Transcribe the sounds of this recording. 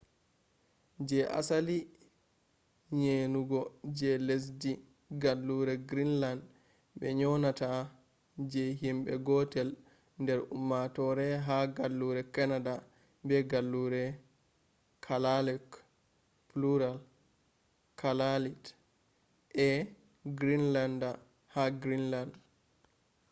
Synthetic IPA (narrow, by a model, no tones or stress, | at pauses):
d͡ʒɛʔa̰sali | ɲenuɡɔd͡ʒɛles̬di | ɡalːuɾɛɡɾinland | bɛ̰ɲɔnata | d͡ʒɛɦimbɛ̰ɡɔtɛl | ndɛɾumːatɔɾɛɦaɡalːuɾɛkanada | bɛɡalːuɾɛ | kʰalalɛk | pluɾal | kʰalalit | ʔɛ | ɡɾinlanda | haɡɾinland